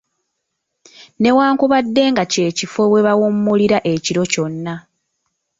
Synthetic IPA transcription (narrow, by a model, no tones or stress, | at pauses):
ne̞waːŋkuβadːe̞ːŋɡace̞ːcifo̞βwe̞βawumːuliɾaʔe̞ciɾo̞co̞nːa